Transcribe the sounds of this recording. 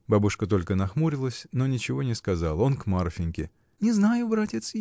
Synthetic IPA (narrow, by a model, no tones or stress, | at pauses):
babʊʂkət̪o̞lʲkənɐxmuɾʲɪlˠəsʲno̞nʲɪt͡ɕɪvo̞nʲɪskɐzalˠəo̞nkmarfʲɪnʲkʲɪ | nʲɪznajʊbɾatʲɪt̪s